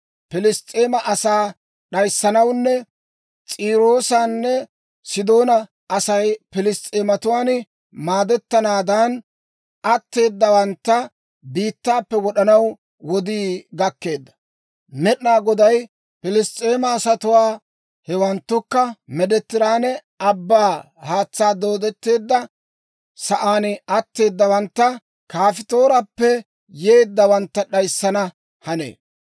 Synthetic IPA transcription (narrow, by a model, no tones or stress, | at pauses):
pɪlɪst̪ʼːeːmɐʔɐsaː | ɗɐjsːɐnɐwnːɛ | t͡sʼiːɾo̞ːsanːɛ | sɪd̪o̞ːnɐ | ʔɐsɐjpɪlɪst̪ʼeːmɐt̪ʊwaːn | maːd̪ɛt̪ːɐnaːd̪an | ʔɐt̪ːe̞ːd̪ːɐwɐnt̪ːɐ | biːt̪ːaːpːɛwɔɗɐnɐw | wɔd̪iːɡɐkːe̞ːd̪ːɐ̥ | mɛɗnaːɡɔd̪ɐj | pɪlɪstʼːe̞ːmɐːsɐt̪ʊwaː | hɛwɐnt̪ːʊkːɐmɛd̪ɛt̪ːɪɾaːnɛ | ɐbːaː | haːt͡sːaːd̪o̞ːd̪ɛt̪ːe̞ːd̪ːɐ | sɐʔaːnɐt̪ːe̞ːd̪ːɐwɐnt̪ːɐ | kaːfɪt̪o̞ːɾɐpːɛ | jeːd̪ːɐwɐnt̪ːɐɗɐjsːɐnɐ | hɐnḛː